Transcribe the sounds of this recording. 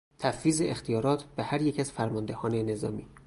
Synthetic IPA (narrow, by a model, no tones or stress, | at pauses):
t̪ʰæfːiːzeext̪ʰijɒːɾɒːt̪ʰb̥ehæɾjecæz̥fæɾmɒnd̪e̞hɒːne̞ne̞zɒ̰ːmiː